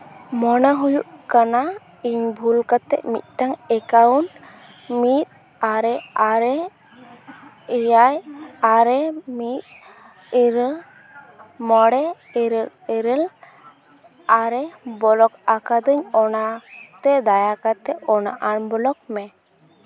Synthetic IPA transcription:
mɔnaɦujuʔkana | iɲbʱulkat̪ːɛ̰ʔmḭt̪̚ˀʈaŋɛkawn | mit̪̚ | aɾɛaɾɛ | ɛjajaɾɛmit̪̚ | iɾ | mɔɽɛ | iɾ | iɾɛl | aɾɛbɔlɔkakad̪əɲɔnat̪ɛd̪ajakat̪ɛʔɔna̰ʔanbɔlɔk̚mɛ

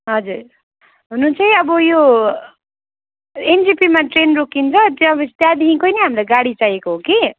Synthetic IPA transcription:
ɦʌd͡zuɾ | ɦununt͡sʰʌj̃ʌbʌjo | end͡zipimaʈrenrokʰint͡sʰʌt̪jõʌbʌst̪jad̪iɦĩkojnʌɦamɾajɡaɽit͡sajekoɦoke

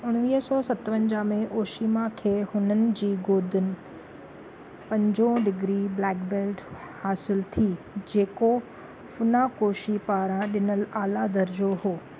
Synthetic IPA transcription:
ʊɽ̃ʋiːɦsɔːsɐt̪ʋə̃ɲd͡ʑamẽʔoːʃimãkʰeːhʊnənɪ̆d͡ʑiːɡoːd̪ʱɪnɪ̆ | pɐ̃ɲd͡ʑõɖɪɡɾiblɛːkbeːlʈhaːsɪlt̪ʰi | d͡ʑeːko | fʊnakoːʃipaːɾãɗɪnəlaːlad̪ɐɾd͡ʑoɦoː

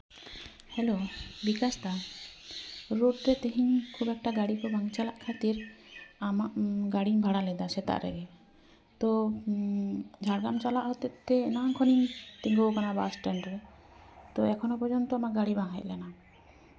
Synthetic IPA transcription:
hɛlobikast̪a | ɾoʈɾɛt̪ɛɦiɲkʰubɛk̚ʈaɡaɽikɔbʱaŋt͡ʃalaʔkʰat̪iɾamaʔɡaɽiŋbʱaɽalɛd̪asɛt̪a̰ʔɾɛ̰ɛ | t̪ɔ | d͡ʒʱaɽɡamt͡ʃalaʔɦɔt̪ɛt̪ɛːnaŋkʰɔnint̪iŋɡowkanaba̰sʈɛɳɖɾɛ | t̪ɔɛkʰɔnɔpɔɾd͡ʒɔnt̪ɔamaʔɡaɽibaŋɦɛʔ̪lɛna

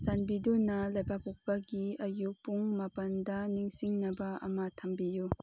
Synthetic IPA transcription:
sanbidunɐlajbapuk̚paɡiɐjupuŋmɐpɐndɐniŋsiŋnɐbaɐ̰matʰambiju

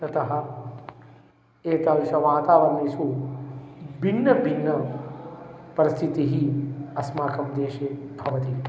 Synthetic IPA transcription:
t̪ɐt̪ɐɦɐ̆ | eːt̪alʃɐʋaːt̪aːʋɐnːisu | binːɐbʱinːɐ | pɐɾist̪ʰit̪iɦiɐsmaːkɐmd̪eːʃeːbʱɐʋɐt̪i

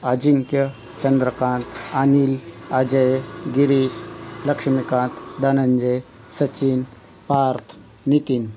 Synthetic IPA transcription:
ad͡ʒiŋkjɐ | t͡ʃɐnd̪ɾəkãːnt̪anilad͡ʒɐjɡiɾiːslɐkʂmikãːnt̪d̪anɐɲd͡ʒɐj | sɐt͡ʃin | paːɾt̪ʰ | nit̪in

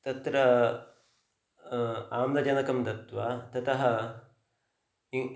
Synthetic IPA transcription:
t̪ɐt̪ɾɐ | aːmlɐd͡ʒɐnɐkɐmd̪ɐt̪ʋaːt̪ɐt̪ɐɦɐ̆ | i

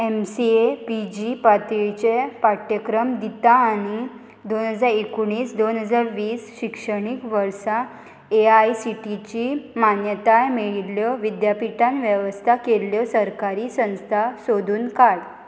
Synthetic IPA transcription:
emsiepid͡ʑipat̪iɭt͡ɕepaʈjəkɾəmd̪it̪aːɽ̃i | d̪onɦəd͡zaɾekuɳ̃iːsd̪onɦəd͡zaɾʋiːsɕikʂəɽ̃ikʋəɾsa | eajsiʈit͡ɕimanjət̪ajmiɭljɔʋid̪japiʈãnʋjəʋəst̪ʰakeljɔsəɾkaɾiːsə̃w̃st̪ʰasod̪ʱuːnkaɽ

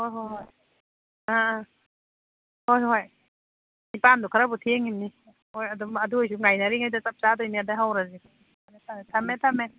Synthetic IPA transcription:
hojɦojɦoj | a | hojɦoj | nipandukʰaɾabutʰeŋimni | ojɐdumɐduɔjs̬uŋajnaɾiŋajdat͡ʃap̚t͡ʃadojniadaɦawɾazi | anetʰatʰɐmetʰɐme

